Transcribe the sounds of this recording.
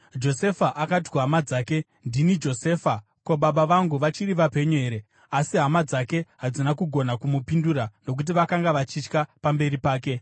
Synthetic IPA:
d͡ʒo̞se̞faʔakat̬i̥kuɦamad͡zaːke̞ | ndinid͡ʒo̞se̞ːfa | ko̞ɓaɓaʋaŋɡuʋat͡ʃiriʋape̞ɲuɦeɾe̞ | asiɦamad͡zake̞ɦad͡zinakuɡʱo̞nakumupinduɾano̞k̬ut̬iʋakaŋɡaʋat͡ʃit͡ʃkapambe̞ɾipaːke̞

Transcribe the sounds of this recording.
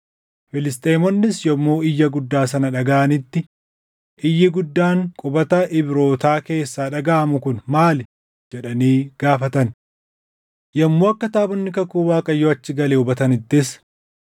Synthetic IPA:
fɪlɪst̪ʼeːmɔnːɪsjɔmːoːɪjːɐɡʊd̪ːaːs̬ɐnɐᶑɐɡaʔɐnɪt̪ːɪ | ʔɪjːɪɡʊd̪ːaːŋkʼʊbɐt̪ɐʔɪbɪɾo̞ːt̪aːke̞ːsːaːᶑɐɡaːʔɐmʊkʊnmaːlɪ | d͡ʒɛᶑɐniːɡ̥aːfɐt̪ɐn | jɐmːoːɐkːɐt̪aːbɔnːɪkɐkːuːwaːkʼɐjːoːɐt͡ʃːɪɡɐleːʊbɐt̪ɐnɪt̪ːɪs

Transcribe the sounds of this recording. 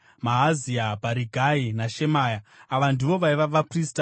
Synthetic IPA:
maɦːziabʱaɾiɡʱainaʃe̞maːjaaʋandiʋo̞ʋaiʋaʋaprista

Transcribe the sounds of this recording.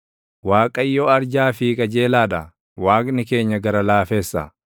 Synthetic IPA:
waːkʼɐjːɔɐɾd͡ʒaːfɪkʼɐd͡ʒe̞ːlaːdɐ | waːkʼnɪke̞ːɲːɐɡɐɾɐlaːfe̞ːsːɐ̰

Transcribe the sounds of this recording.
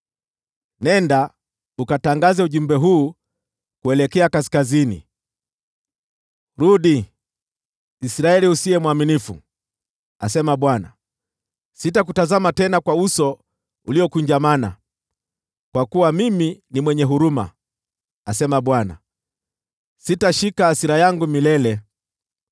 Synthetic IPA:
nɛnda | ukataŋɡazɛuʄumbɛɦuː | kuɛlɛkɛakasi̥kazinḭ | ɾuɗi | sɾaɛliusiɛmwaminifṵ | asɛmaɓwana̰ | sitak̬utazamatɛnakwausɔ | uliɔkuɲd͡ʒamana̰ | kwakuwamiminimwɛɲɛɦuɾuma̰ | asɛmaɓwana̰ | sitaʃikaasiɾajaŋɡumilɛlɛ

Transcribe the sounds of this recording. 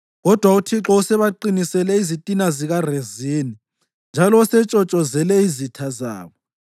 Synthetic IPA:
ɣɔd̥ʱwautʰiǁɔusɛβaǃinisɛlɛizitʼinaziɣareziːni | nd͡ʒʱalɔusɛt͡ʃʼɔt͡ʃʼɔzɛlɛizitʰaza̰ːβɔ

